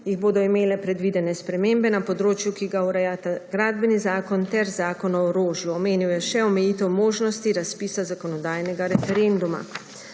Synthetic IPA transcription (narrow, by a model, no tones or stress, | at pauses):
jiɣboːd̪ɔimeːlɛpɾɛd̪ʋid̪ɛnɛspɾɛmeːmbɛnapɔd̪ɾoːt͡ʃjukiɡauɾɛjat̪aɡɾaːd̪̚bɛnizaːkɔnt̪ɛɾzaːkɔnɔɔɾoːʒjuɔmeːniwjɛʃɛɔmɛjiːt̪ɛwmoːʒnɔst̪iɾaspiːsazakɔnɔd̪aːjnɛɡaɾɛfɛɾend̪uma̰